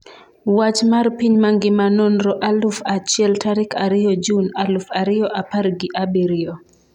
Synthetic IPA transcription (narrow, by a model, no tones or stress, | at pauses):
wat͡ʃmarpiɲmaŋɡɪmanonɾɔʔalʊfat͡ʃɪɛltaɾɪkʰaɾɪjɔd͡ʒunalʊfaɾɪjɔʔapaɾɡɪʔabiɾɪjɔ